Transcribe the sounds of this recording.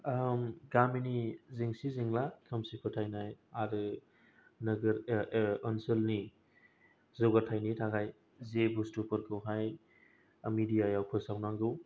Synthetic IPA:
mɡaminiziŋsiziŋlakʰɯmsipʰɯtʰajnajaɾɯ | nɐɡɐɾɔnsɯlni | zɯwɡatʰajnitʰaɡaj | zebustupʰɯɾkʰɯwɦaj | amidijajawpʰɯsawnaŋɡɯw

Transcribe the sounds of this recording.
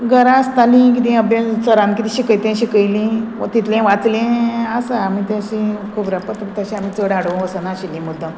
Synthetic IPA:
ɡəɾast̪alĩk̬it̪ĩəbjat͡səɾãmkit̪ĩɕikəjt̪ɛ̃ɕikəjlĩt̪it̪lẽʋat͡slẽasaamit̪ẽɕĩkʰubɾapət̪t̪aɕĩam̤iːt͡səɽaɽəʋʋəsanaɕilːĩmud̪ʱːə

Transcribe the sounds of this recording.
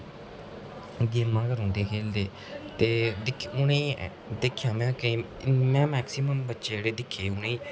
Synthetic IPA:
ɡiːmãːkəɾõːnd̪eːkʰeːld̪eː | t̪eːd̪ɪkʰʊnẽː | d̪eːkʰːjãːmɛ̃ːkeː | mɛ̃ːmɛːksiːməmbətːʃeːeːɽeːd̪ɪkʰːeːʊneː

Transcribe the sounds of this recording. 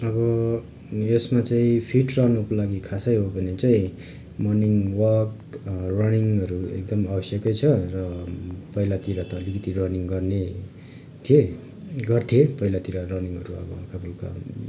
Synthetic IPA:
ʌbʌ | jesmat͡saĩpʰiʈrʌnʌkolaɡikʰasʌjɦobʱʌnet͡saĩ | mʌniŋwʌk | rʌniŋʌɾuḛk̚d̪ʌmabʌsjʌkʌjt͡sʰʌrʌpʌilat̪iɾat̪ʌːlikʌt̪irʌniŋɡʌrne | t̪ʰie | ɡʌrt̪ʰiepʌilat̪iɾarʌniŋɦʌ̰ɾuʌ̰bʌ̰kʰabulka̰

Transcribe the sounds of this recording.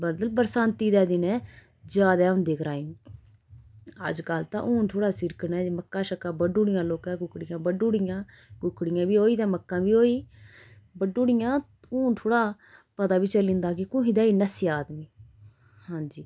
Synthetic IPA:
bəɾd̪əlbəɾsaːnt̪iːd̪ɛːd̪ɪnɛ̃ː | d͡ʒaːd̪ɛːʊ̃nd̪eːkɾaːim | ə̰d͡ʒkaːlt̪ã̰ːʔuːnʈ̪ʰoːɽaːsɪɾkənɛːməkːãːʃəkaːbəɖuːɽɪjãːloːkãːɡʊkɽɪjãːbəɖuːɽɪjãː | kʊkːɽɪjãːbiːoːiːd̪ãːməkːãːbiːoːiː | bəɖuːɽɪjãː | uːnʈʰoːɽaː | pət̪aːbiːt͡ʃəlĩːnd̪aːkekʊ̃ɦiːd̪aːiːnəsiːaːd̪miː | hãːd͡ʒiː

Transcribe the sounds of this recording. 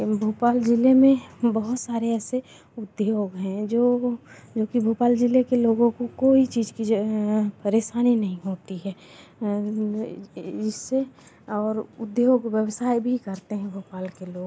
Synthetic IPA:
bʱuːpaːld͡ʒɪlemẽbɐɦʊt̪saːɾeɛːse | ʊd̪joːɡɦɛ̃d͡ʒoːd͡ʒoːkibʱuːpaːld͡ʒɪlekeloːɡõkokoːit͡ʃiːd͡ʒkipɐɾeːʃaːninɐɦĩɦoːt̪iɦɛː | d͡ʒɪsːe | ɔːɾʊd̪joːɡwjəwsaːibʱikɐɾt̪eɦɛ̃bʱuːpaːlkeloːɡ

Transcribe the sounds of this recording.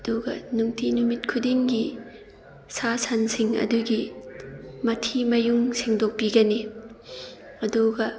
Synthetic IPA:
ɐduɡɐnuŋtʰinumit̚kʰudiŋɡi | sasʰansiŋɐ̰duɡi | mɐtʰimɐjuŋsiŋdok̚piɡɐni | ɐduɡɐ

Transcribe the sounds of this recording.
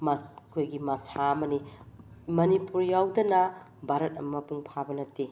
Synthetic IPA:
mɐkʰojɡimɐsaɐmɐni | mɐnipuɾjawdɐnɐ | bʱaɾɐt̚ɐmɐpuŋpʰabɐnɐtːi

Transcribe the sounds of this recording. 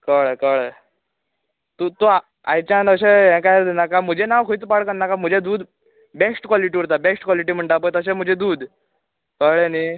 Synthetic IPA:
kəɭkəɭ | t̪ut̪ua | ajt͡ɕãnəɕeɦɛ̃kajd̪nakam̤əd͡ʑʱenawkʰujt̪paɽkənːakam̤əd͡ʑʱed̪uːd̪ | besʈkwaliʈiɾt̪̬abesʈkwaliʈ̬iːm̤əɳʈap̬ət̪əsem̤əd͡ʑʱed̪uːd̪ | kəɭeni

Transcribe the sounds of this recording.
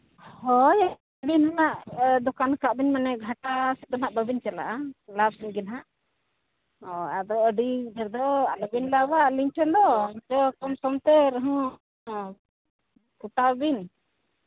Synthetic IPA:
hɔj | əɖinɔnaʔd̪ɔkankaʔbiɲmanɛɡʱaʈasɛt̪ɔnaʔbəbiɲt͡ʃɛla̰ʔalab̚sinɡɛnɦaʔ | ɔad̪ɔəɖid̪ʱɛɾd̪ɔalɔbinlabaʔliɲʈʰɔnd̪ɔɲt͡ʃɔkɔmsɔmt̪ɛɾəɦɔ̃ | kuʈabin

